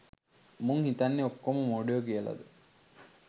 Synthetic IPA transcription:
muŋhit̪anːeokːomumoːɖijokiəlɐ̰d̪ə

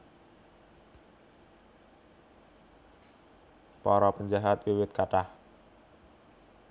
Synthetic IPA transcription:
pɔɾɔpəɲd͡ʒaɦat̪̚wiwɪt̪̚kaʈah

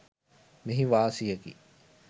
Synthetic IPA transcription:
miɦiʋaːsijɐɡḭː

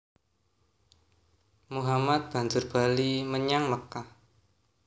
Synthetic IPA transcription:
muɦamat̪̚b̥a̤ɲd͡ʒʊrb̥a̤liməɲaŋməkah

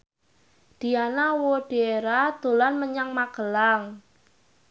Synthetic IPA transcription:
d̪̥i̤anawoɖ̥eeɾad̪̥o̤lanməɲaŋmaɡ̥əlaŋ

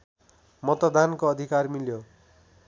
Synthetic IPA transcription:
mʌt̪od̪ankoʌd̪ʱikarmiljo

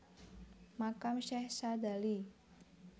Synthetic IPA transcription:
makamʃɛhsad̪ali

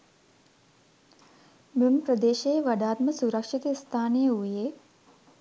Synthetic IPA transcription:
məmpɾəd̪eːʃeʋɐɖ̪aːt̪məsuɾəkʂit̪eːst̪ʰaːnijəujeː

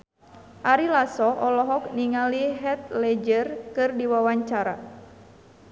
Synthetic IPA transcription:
ʔaɾilasɔʔɔlɔɦɔkniŋaliɦɛt̪̚lɛd͡ʒərkɨrdiwawaɲt͡ʃaɾa̰

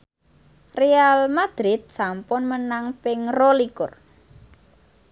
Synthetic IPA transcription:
realmad̪̥ɾɪd̪̚sampʊnmənaŋpɪŋrolikʊr

